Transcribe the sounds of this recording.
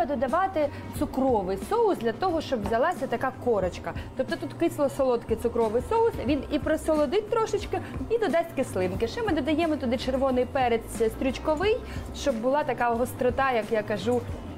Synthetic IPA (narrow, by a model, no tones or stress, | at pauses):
ɐd̪ɔd̪ɐʋɑt̪ɪ | t̪sʊkɾɔʋɪjsɔʊsd̪ʲlʲɐt̪ɔɦɔʃt͡ʃɔbʋzʲɐlˠɑsʲɐt̪ɐkɑkɔɾɐt͡ʃkɐt̪ɔp̚t̪ɔt̪ut̪kɪslˠɔsɔlˠɔt̪kɪt̪sʊkɾɔʋɪjsɔʊsʋʲinipɾɔsɔlˠɔd̪ɪt̪ʲt̪ɾɔʃɪt͡ʃkɪid̪ɔd̪ɑsʲtʲkɪslˠɪmkɪʃɛmɪd̪ɔd̪ɐjɛmɔt̪ʊd̪ɪt͡ʃerʋɔnɪjpɛɾet̪ʲsʲst̪ɾʲʊt͡ʃkɔʋɪjʃt͡ʃɔbːʊlˠɑt̪ɐkɑɦɔst̪ɾɔt̪ɑjɐkjakɐʒu